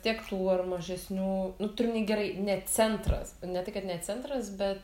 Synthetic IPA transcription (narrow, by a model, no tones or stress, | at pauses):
t̪ʲiɛkt̪uːɐrmɐʒʲɛsʲnʲuːnʊt̪ʊɾʲɪmnʲɛɪɡʲɛɾɐɪnʲɛt͡sʲɛnt̪rɐ̰snʲɛt̪ɐɪkɐt̪nʲɛt͡sʲɛnt̪ɾɐsbʲɛt̪